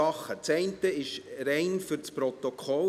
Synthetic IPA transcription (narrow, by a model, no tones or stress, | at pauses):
ɑχːət͡sɛɪntəɪʃɾɛɪnfʏɾt͡spɾɔt̪okʰɔl